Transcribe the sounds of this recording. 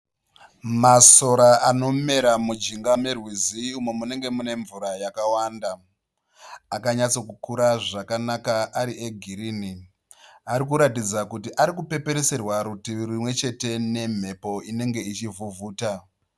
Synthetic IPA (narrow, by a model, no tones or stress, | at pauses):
maso̞ɾaano̞me̞ɾamud͡ʒiŋɡamerwiziumwe̞mune̞ŋɡe̞mune̞ɱvuɾajakawaːnda | akaɲat͡so̞kukuɾaʐakanakaʔaɾieɡʱiɾiːni | aɾikuɾatid͡zakutiʔaɾikupe̞pe̞ɾese̞rwaɾutirimwe̞t͡ʃe̞te̞ne̞m̤e̞po̞ine̞ŋɡe̞it͡ʃivuvuːta